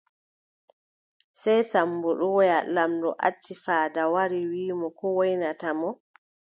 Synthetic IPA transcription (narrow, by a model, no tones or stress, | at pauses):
sɛjsambuɗuwɔjalamɗɔ̰ʔa̰t͡ʃːifaːdawaɾiwiːmɔkɔwojnatamɔ